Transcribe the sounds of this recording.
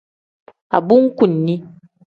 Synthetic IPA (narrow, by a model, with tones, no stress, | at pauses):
a̰˨bu˦ŋ̩˦ku˨nːi˦